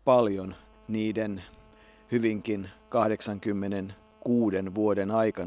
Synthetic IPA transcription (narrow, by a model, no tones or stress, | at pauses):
pɑljon | niːden | hyʋiŋkinkɑhdeksɑŋkymːenen | kuːdenʋuodenɑikɑ